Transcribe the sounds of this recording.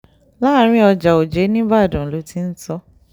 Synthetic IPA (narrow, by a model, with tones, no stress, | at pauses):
la˦ɾ̃ĩ˦ɔ˧d͡ʒa˨o˨d͡ʒe˨˦nĩ˦ba˦˨dũ˨lo˨˦ti˧˦n̩˦tɔ˦